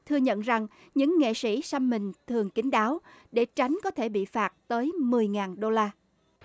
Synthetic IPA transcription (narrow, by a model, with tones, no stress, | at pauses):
t̪ʰɨ˧əɲə̰˧˨nza˨˩ŋ | ɲɨ̰˧˥ŋːḛ˧˨sḭ˧˥sa˧mmï˨˩ŋ̟t̪ʰɨ˨˩əŋki˨˦ŋ̟ɗaː˨˦wɗe˧˩t͡ɕa˨˦jŋ̟kɔ˨˦t̪ʰe˧˩ɓḭ˧˨faː˨˩t̚t̪əː˨˦jmɨ˨˩əjŋaː˨˩nɗo˧laː˧